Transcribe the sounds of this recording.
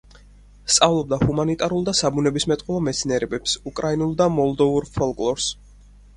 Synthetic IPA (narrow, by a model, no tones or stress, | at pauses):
st̪sʼavlˠɔb̚d̪ahumanit̪ʼaɾulˠd̪asabunɛbismɛt̪ʼqʼɔlˠɔmɛt̪sʰniɛɾɛbɛpsukʼɾainulˠd̪amɔlˠd̪ɔvuɾfʰɔlˠkʼlˠɔɾs